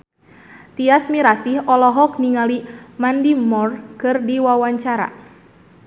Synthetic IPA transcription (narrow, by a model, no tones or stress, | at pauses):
t̪iasmiɾasihɔlɔɦɔk̚niŋalimandimɔrkɨrdiwawaɲt͡ʃaɾa̰